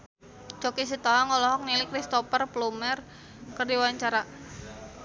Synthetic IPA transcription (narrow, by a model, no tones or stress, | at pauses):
t͡ʃokis̬it̪ɔɦaŋɔlɔɦɔk̚nilikɾist̪ɔpərplumɛr | kərdiwaɲt͡ʃaɾa